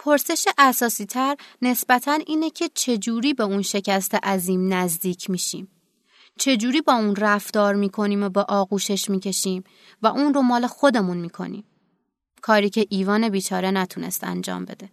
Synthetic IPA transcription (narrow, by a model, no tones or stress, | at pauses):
pʰoɾse̞ʃeʔæsɒːsiːt̪ʰæɾne̞sb̥æt̪ʰænʔiːnecʰe̞t͡ʃʰe̞d͡ʒuːɾiːbeunʃe̞cʰæst̪ʰeʔæziːmnæzd̪iːcʰmiːʃḭːm | t͡ʃʰe̞d͡ʒuːɾiːbɒːuːnræft̪ɒːɾmiːkʰo̞niːmobeʔɒːɣuːʃe̞ʃmiːcʰe̞ʃiːm | væʔuːnro̞mɒːle̞xo̞d̪e̞munmiːkʰo̞̰nḭːm | kʰɒːɾiːcʰeʔiːvɒːne̞biːt͡ʃʰɒːɾe̞næt̪ʰune̞̰st̪æ̰nd͡ʒɒ̰ːmbe̞̰d̪e̞